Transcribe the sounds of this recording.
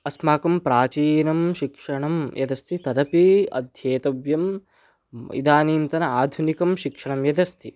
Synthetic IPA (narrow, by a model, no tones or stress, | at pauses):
ɐsmaːkɐmpɾaːt͡ʃiːnɐmʃikʂɐɳɐmjɐd̪ɐst̪ʰit̪ɐd̪ɐpiɐ̰d̪ʱjeːt̪ɐʋjɐm | ɐ̰ḭd̪aːniːnt̪ɐnɐaːd̪ʱunikɐmʃikʂɐɳɐmjɐd̪ɐst̪ʰi